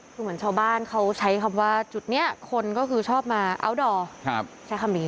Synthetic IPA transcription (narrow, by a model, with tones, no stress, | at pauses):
kʰɯː˧mɯ˩˦ənt͡ɕʰaː˧wbaː˥˩nkʰa˦˥wt͡ɕʰa˦˥jkʰa˧mwaː˥˩t͡ɕu˨˩t̪̚ni˦˥˩ɐkʰo˧nkɔː˥˩kʰɯː˧t͡ɕʰɔː˥˩p̚maː˧ʔa̰˧˥wdɔː˧kʰp̚t͡ɕʰa˦˥jkʰa˧mdiː˧˩